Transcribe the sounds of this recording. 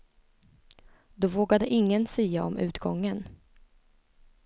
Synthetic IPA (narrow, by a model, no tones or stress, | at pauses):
d̪ɔvoːɡad̪əʔɪŋːənsɛjaɔmʔʉ̟ːt̪ɡɔŋːən